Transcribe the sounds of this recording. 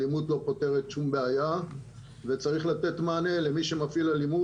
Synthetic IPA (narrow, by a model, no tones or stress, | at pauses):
limut̪lo̞po̞te̞ʁet̪ʃumbe̞aja | vet͡saʁiχlat̪e̞t̪maːne̞lemiʃe̞mafilalimu